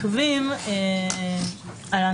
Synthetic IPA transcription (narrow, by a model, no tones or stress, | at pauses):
vime | ala